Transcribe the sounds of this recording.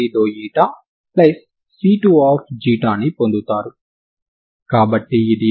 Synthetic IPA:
iːd̪oːjiːʈa | plɐsː | iːʈuaːp̚ʰd͡ʒiːʈaːnipo̞nd̪ut̪aːɾu | kaːbɐʈːiːd̪i

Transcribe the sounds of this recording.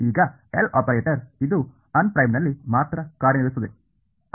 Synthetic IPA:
iːɡɐ | ela̰ːpɐɾeːʈɐɾid̪u | ɐnpɾɐjmnɐlːimaːt̪ɾɐkaːɾjɐniʋust̪ɐd̪e

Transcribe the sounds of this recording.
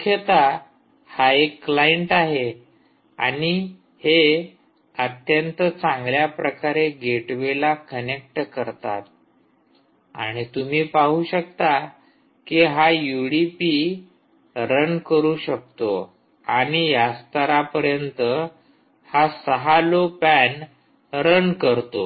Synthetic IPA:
kʰjət̪a | haekːlajeɳʈaɦe | a̰ɽ̃i | he | ət̪jənt̪ət͡sãŋɡljapɾəkaɾeɡʱeʈʋelakənek̚ʈkəɾt̪a̰t̪̚ | a̰ɽ̃it̪um̤iːpaɦuɕəkt̪a | kiɦajuɽipi | ɾənkəɾuːɕək̚t̪o | aɽ̃ijast̪əɾapəɾjənt̪ə | hasəɦalopæn | ɾənkəɾt̪o

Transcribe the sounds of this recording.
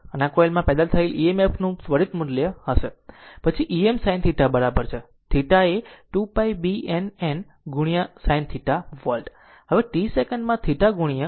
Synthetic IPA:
ənakoelmãpɛd̪at̪ʰəeliemepʰnũsʋəɾit̪mudljəhəʃepət͡ʃʰiʔiemsajnt̪ʰiʈabəɾabəɾt͡ʃʰe | t̪ʰiʈaeʈupajbienen | ɡuɽ̃ijasajnt̪ʰiʈaʋəlʈ | ɦəʋeʈisekəɳɖmãt̪ʰiʈaɡuɽ̃ijə

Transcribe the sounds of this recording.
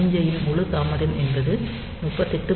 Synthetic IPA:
ɪɲd͡ʒɐjɪnʊɭɯt̪aːmɐɾɪnɛnbɐðɯ | mʊːʈpːɐt̪ːɛʈːɯ

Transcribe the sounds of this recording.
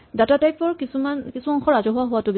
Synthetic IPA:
datatajpɔɹkisumankisuɔŋxɔɹazɔɦʊwaɦʊwatʊb

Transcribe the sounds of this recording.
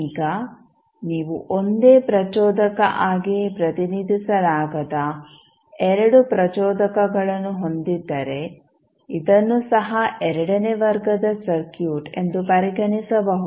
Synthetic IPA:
iːɡɐ | niːʋuʔond̪e̞ːpɾɐt͡ʃɔːd̪ɐkɐʔaːɡipɾɐt̪inid̪ʱisɐlaːɡɐd̪ɐ | ɛɾɐɽupɾɐt͡ʃɔːd̪ɐkɐɡɐɭɐnːuɦo̞nd̪id̪ːɐɾe̞ | id̪ɐnːusɐɦɐʔɛɾɐɽɐneʋɐɾɡɐd̪ɐsɐɾkjuːʈe̞nd̪upɐɾiɡɐnisɐbɐɦu

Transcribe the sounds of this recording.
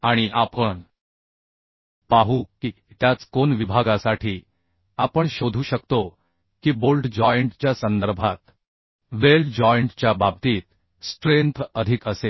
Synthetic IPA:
aɽ̃iʔapəɳ | paɦuki | t̪jat͡skonʋibʱaɡasaʈʰiː | apəɳɕod̪ʱuːɕəkt̪o | kiːbolɖd͡ʑɔjəɳʈt͡ɕjasənd̪əɾbʱat̪ | ʋelɖd͡ʑɔjɳʈt͡ɕjabʱab̚t̪iːt̪̚ | sʈɾent̪ʰəd̪ʱikəse

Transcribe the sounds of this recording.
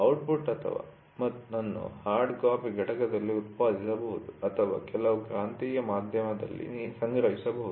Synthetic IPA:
ɐwʈpuʈːɐt̪ʰɐ̰ʋa̰ː | mɐt̪ːunɐnːṵhaːɾɖkaːpiɡɐʈɐkɐd̪ɐlːiut̪̚ʋaːd̪isɐbɐɦud̪uɐt̪ʰɐʋa̰ːkɛlɐʋukɾaːnt̪iːjɐmaːd̪ʱjɐmɐd̪ɐ̰lːḭnːsɐŋɡɾɐɦisɐbɐɦud̪u

